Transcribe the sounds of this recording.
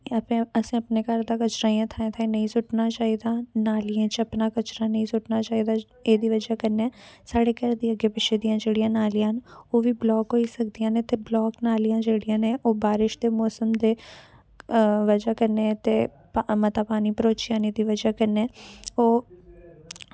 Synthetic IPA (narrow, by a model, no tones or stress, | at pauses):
ɐpẽəsẽəpnekəɾd̪akət͡ʃɾaːijãt̪ʰaːẽt̪ʰãnəĩsʊʈnat͡ʃaːid̪ãːnaːlɪjãːt͡ʃəpnaːkət͡ʃɾanəĩsʊʈnaːt͡ʃaːid̪a | eːd̪iːʋəd͡ʒakəɾneãːsaːɽeːkəɾd̪iːəɡepɪt͡ʃʰed̪ijãːd͡ʒeːɽijãːnaːlɪjãːnoːʋiːblɔːkɦoːisək̚d̪ijãːnẽt̪eblɔːknaːlijãːd͡ʒeːɽijãːnẽʔoːbaːɾɪʃd̪emɔːsəmd̪eː | ʋəd͡ʒakəɾnẽt̪e | pmət̪aːpaːnipəɾoːt͡ʃijãːned̪iːʋəd͡ʒakəɾneːoː